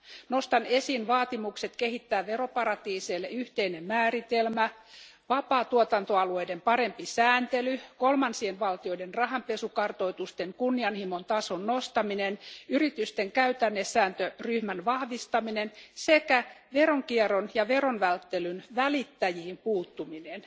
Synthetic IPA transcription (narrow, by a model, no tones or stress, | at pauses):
no̞st̪ɑne̞siːnʋɑːt̪imukset̪ke̞hit̪ːæːʋero̞pɑrɑt̪iːseːlːeyht̪einemmæːrit̪elmæ | ʋɑpɑːt̪uot̪ɑnt̪oɑluejdempɑɾe̞mpisæːnt̪elykolmɑnsienʋɑlt̪io̞idenrɑɦɑmpe̞sukɑrt̪o̞it̪ust̪eŋkunːiɑnhimont̪ɑso̞nːost̪ɑminenyrit̪yst̪eŋkæyt̪ænːesːæːnt̪øryhmænʋɑhʋist̪ɑminensekæʋeroŋkieronjɑʋeronʋælt̪ːelynʋælit̪ːæjiimpuːt̪ːuminen